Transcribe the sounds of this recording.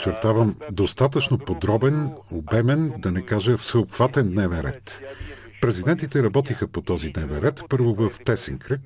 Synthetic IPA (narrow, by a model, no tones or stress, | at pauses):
ot͡ʃɛɾt̪avəmd̪ost̪at̪ət͡ʃnopod̪ɾɔbɛnobɛmɛnd̪ɐnɛkaʒəfsəopxv̥at̪ɛnd̪nɛvɛnɾɛ̰t̪ | pɾɛzid̪ɛnt̪it̪ɛɾɐbɔt̪ixəpot̪ɔzid̪nɛvɛnɾɛt̪pɤɾvovəft̪ɛsɛŋkɾək